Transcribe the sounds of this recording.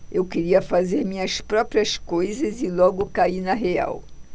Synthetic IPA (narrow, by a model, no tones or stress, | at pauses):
ewkeɾiɐfazeɾmĩɲɐspɾɔpɾiɐskojzɐzɪlɔɡʊkainɐɦea̰w